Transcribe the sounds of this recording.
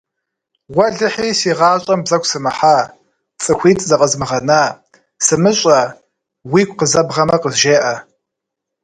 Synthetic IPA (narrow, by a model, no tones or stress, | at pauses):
wɐɮɨħiːsiːʁɑːɕʼɐmbzɐkʷʰsɨmɨħaː | t͡sʼɨxʷiːtʼzɐqʼəzmɨʁɐnaː | sɨmɨɕʼɐ | wiːkʷqəzɐbʁɐmɐqəzʒeːʔɐ